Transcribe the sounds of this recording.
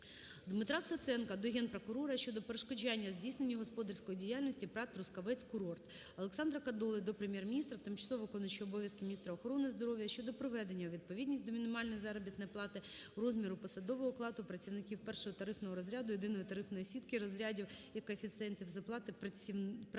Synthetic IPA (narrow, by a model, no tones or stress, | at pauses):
d̪mɪt̪ɾast̪ɐt̪sɛnkɐd̪ɔɦʲɛnpɾɔkʊɾɔɾɐʃt͡ʃɔd̪ɔpeɾeʃkɔd͡ʒanʲːɐzʲdʲijsnenʲːiɦɔspɔd̪ɐrsʲkɔjidʲijalʲnɔsʲtʲipɾɑt̪ɾʊskɐʋɛt͡sʲkʊɾɔrt̪ɐlˠeksɑnd̪ɾɐkɐd̪ɔlˠɪjd̪ɔpɾemʲjɛrmʲinʲist̪ɾɐt̪ɪmt͡ʃɐsˠɔʋɐkɔnɔt͡ʃiɔbɔʋʲjɐskɪmʲnʲist̪ɾɐɔxɔɾɔnɪzd̪ɔɾɔʋʲjɐʃt͡ʃɔd̪ɔpɾɔʋɛd̪e̞nʲːɐʋʲid̪̚pɔʋʲidʲnʲisʲt̚ʲd̪ɔmʲinɪmɑlʲnɔjizɑɾɔbʲit̪nɛjplˠɑt̪ɪrɔzmʲiɾʊpɔsɐd̪ɔʋɔɦɔklˠɑt̪ʊpɾɐt͡sʲiʋnɪkʲiwpɛrʃɔɦɔt̪ɐɾɪfnɔɦɔɾɔzʲɾʲad̪ʊjed̪ɪnɔjit̪ɐɾɪfnɔjɔsʲit̪kɪɾɔzʲɾʲadʲiwjɐkɔefʲit̪sɨɛnʲtʲiwzɐplˠɑt̪ɪ